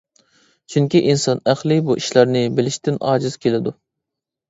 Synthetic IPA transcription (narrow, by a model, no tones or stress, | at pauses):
t͡ʃʰyŋkʲiʔinsɑnæχlˠɪbuʔiʃlˠɑɾnɪbɪlɪʃt̪ʰɪnɑ̰ːd͡ʒiz̥kʲʰelɪd̪u